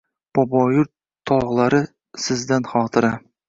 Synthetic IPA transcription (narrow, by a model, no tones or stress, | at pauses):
b̥ɒbɒjʊɾ | t̪ʰɒʁlˠaɾɪ | sɪzd̪anχɒːt̪ʰɨɾa